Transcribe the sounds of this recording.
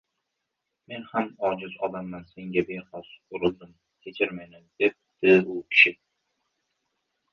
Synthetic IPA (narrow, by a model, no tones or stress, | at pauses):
me̞nhamɒd͡ʒɪzɒd̪amːanse̞ŋɡʲabehɒsʊɾɨlˠd̪ɪm | kʲʰet͡ʃʰɪɾmajnɪmd̪ep̚d̪̥ɪʊkʲʰɪ̥ʃɪ